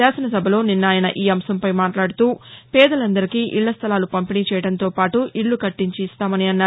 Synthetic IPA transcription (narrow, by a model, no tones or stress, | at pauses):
aːsɐnɐsɐbʱɐlo̞ːninːaːjɐnɐ̰ʔiːɐmsɐmpɐjmaːʈlaːɽut̪uːpɛːd̪ɐlɐnd̪ɐɾikiːʔiɭːɐst̪ʰɐlaːlupɐmpiniːt͡ʃɛːjɐɽɐnt̪o̞ːpaːʈuʔiɭːukɐʈːiɲt͡ʃiːst̪aːmɐniɐnːaː